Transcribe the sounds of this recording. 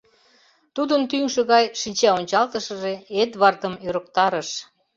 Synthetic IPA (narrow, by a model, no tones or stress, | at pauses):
t̪ud̪ənt̪yŋʃĕɣɑjʃinʲt͡ɕæonʲt͡ɕɑlt̪əʃəʒeet̪βɑrt̪əmøɾə̆k̚t̪ɑɾəʃ